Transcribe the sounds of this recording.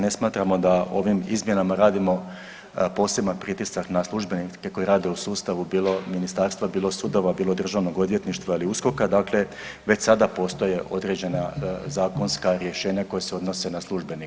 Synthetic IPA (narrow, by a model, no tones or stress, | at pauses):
ne̞smaːt̪ɾamo̞d̪ao̞̰ʋimḭzmje̞namaɾaːd̪imo̞ | po̞ːse̞banpɾit̪isaknaslˠuʒbe̞nikeko̞jeɾaːd̪e̞usuːst̪aʋubiːlˠo̞minist̪aːɾst̪ʋabiːlˠo̞sud̪o̞ʋabiːlo̞d̪r̩ʒaʋno̞ɡo̞d̪ʋje̞t̪niʃt̪ʋailiusko̞kad̪akle̞ | ʋe̞t͡ɕsad̪apo̞st̪o̞je̞ʔo̞d̪ɾe̞d͡ʑe̞nazaːko̞nskaɾje̞ʃe̞ːɲako̞jeseo̞d̪no̞se̞naslˠuʒbe̞ni